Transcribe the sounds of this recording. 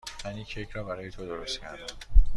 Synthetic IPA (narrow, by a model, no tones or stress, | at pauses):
fæniːcʰecʰɾɒːbæɾɒːjet̪ʰod̪oɾost̪cʰæɾd̪æm